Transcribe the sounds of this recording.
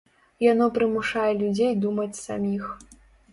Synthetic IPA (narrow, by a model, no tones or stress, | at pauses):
janɔpɾɨmuʂajɛlʲud͡zʲejd̪umɐt͡sʲsamʲix